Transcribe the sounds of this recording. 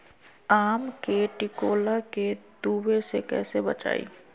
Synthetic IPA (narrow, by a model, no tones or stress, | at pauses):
aːmkeʈɪkoːlaked̪uːwesekɛ̰ːsebɐt͡ʃa̰ːḭː